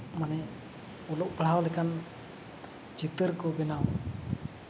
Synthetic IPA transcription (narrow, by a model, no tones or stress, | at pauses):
manɛ | ulɔʔpəlɦawlɛkan | d͡ʒit̪əɾkɔbɛnaw